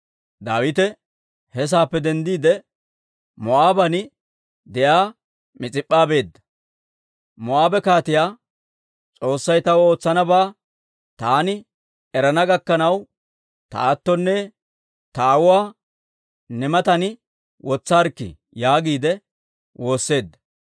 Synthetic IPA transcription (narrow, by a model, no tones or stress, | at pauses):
d̪aːwɪt̪ɛ | hɛs̬aːpːɛd̪ɛnd̪iːd̪ɛ | mɔʔaːbɐnɪ | d̪ɛʔaː | mɪt͡sʼɪpʼːaːbe̞ːd̪ːɐ̥ | mɔaːbɛkaːt̪ɪjaː | t͡sʼo̞ːsːɐjt̪ɐwo̞ːt͡sːɐnɐbaː | t̪aːnɪ | ɛɾɐnɐɡɐkːɐnɐw | t̪ɐ̰at̪ːɔnːɛ | t̪ɐːwʊwaː | nɛmɐt̪ɐn | wʔɔt͡sːaːɾkːɪ̰ | jaːɡiːd̪ɛ | wʔo̞ːsːe̞ːd̪ːɐ̥